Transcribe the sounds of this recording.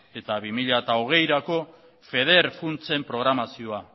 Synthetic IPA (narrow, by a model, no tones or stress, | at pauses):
e̞t̪aβimiʎat̪ao̞ɣ̞e̞jɾako̞ | fe̞ð̞e̞ɾfunt͡se̞mpɾo̞ɣɾamasio̞a